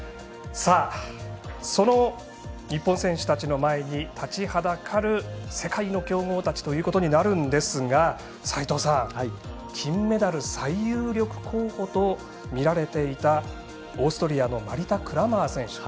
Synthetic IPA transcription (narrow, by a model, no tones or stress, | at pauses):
saː | so̞no̞ | ɲ̟ipːõsẽ̞ɰ̃ɕɨ̥t̪at͡ɕino̞mae̞ɲ̟it̪ʰat͡ɕihad̪akʰaɾɯ̟se̞kaino̞kʲo̞ːŋo̞ːt̪at͡ɕi̥t̪o̞jɯ̟ːko̞t̪o̞ɲ̟inaɾɯ̟̃nd̪e̞sɨɡa | sait̪o̞ːsã | kʲʰĩmːe̞d̪aɾɯ̟saijɯːɾʲo̞kɯ̟̥kʰo̞ːho̞t̪o̞ | mʲiɾaɾe̞t̪e̞it̪a | o̞ːsɨ̥t̪o̞ɾʲiano̞maɾʲit̪akɯ̟ɾamaːsẽ̞ɰ̃ɕɨ̥